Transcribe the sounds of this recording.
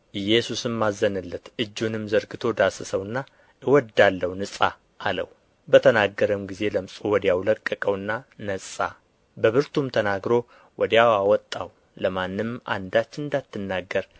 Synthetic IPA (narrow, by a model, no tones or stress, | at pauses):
ʔɨjɛsusɨmːazːənɨlːət̪ɨd͡ʒːunɨmzəɾɡɨt̪ʰo̞d̪asəsəwɨnːa | ɨwɔd̪alːəwnɨsʼa | ʔːlə̰w | bət̪ʰənaɡːəɾəmɡize̞ləmsʼowɔd̪jawləkʼːəkʼəwɨnːanəsʼa̰ | bəβɨɾt̪ʰumt̪ʰənaɡɾo̞ | wʔɔd̪jawawɔt̪ʼːa̰w | ləmanːɨma̰nd̪at͡ʃːɨnd̪at̪ːɨnːaɡːəɾ